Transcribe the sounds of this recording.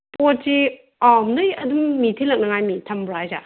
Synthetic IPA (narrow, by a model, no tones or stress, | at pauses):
pot̚si | awmdɐjɐdumːitʰilɐk̚nɐŋajmitʰɐmbɾajza̰